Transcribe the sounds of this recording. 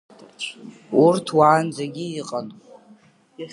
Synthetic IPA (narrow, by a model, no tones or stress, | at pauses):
urtʰwaːnd͡zaɡʲiːiqʼan